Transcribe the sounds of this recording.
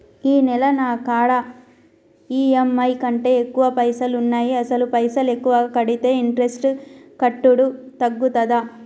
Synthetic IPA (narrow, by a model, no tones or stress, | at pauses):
iːnɛlɐnaːkaːɽɐ | iːemɐjkɐɳʈe̞ːekːuʋɐpɐjsɐlunːaːjiɐsɐlupɐjsɐle̞kːuʋɐkɐɽit̪e̞ːiɳʈɾesʈkɐʈːuɽut̪ɐɡːut̪ɐd̪aː